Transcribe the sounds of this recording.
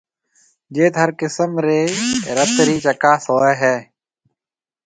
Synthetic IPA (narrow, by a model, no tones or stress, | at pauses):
d͡ʒeːt̪ɦəɾkɪsəmɾeːɾət̪ɾiːt͡ʃəkaːsoːeːɦɛː